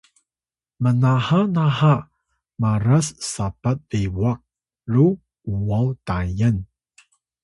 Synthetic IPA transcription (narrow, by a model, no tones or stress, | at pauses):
mənahanaha | maɾassapat̪̚lewak̚ | lu | uwawtajən